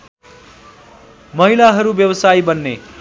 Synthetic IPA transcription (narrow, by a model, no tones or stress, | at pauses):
mʌɦilaɦʌɾubjʌwʌsaibʌnːe